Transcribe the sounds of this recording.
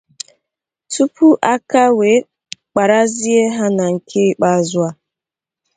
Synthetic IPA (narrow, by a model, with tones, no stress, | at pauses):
tu˦pu˦ʔa˦ka˦we˨˦ | k͡pa˨ɾa˦zi˦e˦ɦa˦na˨ŋ̩˨kʰe˦˨k͡pa˦˨zʊ˦a˦